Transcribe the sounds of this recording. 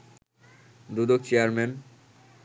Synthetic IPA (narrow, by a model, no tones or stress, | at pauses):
d̪ud̪ok̚t͡ɕeaɾmen